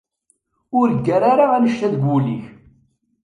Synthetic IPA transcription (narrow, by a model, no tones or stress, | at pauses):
ʊɾɡːæɾaɾaænəʃt̪æðɡʷulḭç